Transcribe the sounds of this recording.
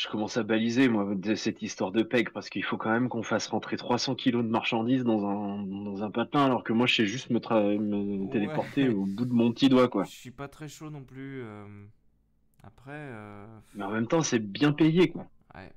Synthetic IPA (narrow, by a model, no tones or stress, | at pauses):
ʒ̥ə̥kɔmɑ̃sabalizemwad̪ɛsɛt̪ist̪waʁd̪əpɛɡpaʁsə̥kəilfokɑ̃mɛmkɔ̃fasʁɑ̃t̪χet̪χwasɑ̃kʲʰilod̪əmaʁʃɑ̃d̪izd̪ɑ̃zɛ̃d̪ɑ̃zɛ̃pat̪lɛ̃alɔʁkəmwaʒsɛʒyst̪mət̪χamət̪elepɔʁt̪eobud̪əmɔ̃pt̪id̪wakwasipat̪χɛʃonɔ̃ply | apχɛ | mɛɑ̃mɛmt̪ɑ̃sɛbjɛ̃pejekwa | ɛ̰